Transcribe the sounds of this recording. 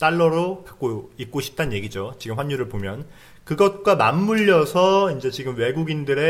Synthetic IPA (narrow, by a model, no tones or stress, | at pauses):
t͈aɭːʌɾokak̚k͈oik̚k͈oɕʰi̥p̚t͈anɲje̞ɡid͡ʑot͡ɕiɡɯmɸwaɲːuɾɯɭpomjʌn | kɯɡʌt̚k͈wamamːuʎːʌsʰʌind͡ʑe̞t͡ɕiɡɯmwe̞ɡuɡindɯɾe̞